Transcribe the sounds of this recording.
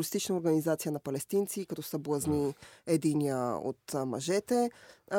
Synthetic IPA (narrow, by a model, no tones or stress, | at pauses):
list̪it͡ʃnəoɾɡɐnizat̪sijənɐpɐlɛst̪int̪sikɐt̪ɔsɐblˠɐzniɛd̪iniə̰o̰t̪mɐ̰ʒɛt̪ɛ